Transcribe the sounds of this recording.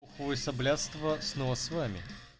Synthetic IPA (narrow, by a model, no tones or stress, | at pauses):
uxəvɨsɐblʲat̪st̪vəsnɔvəsvamʲɪ̰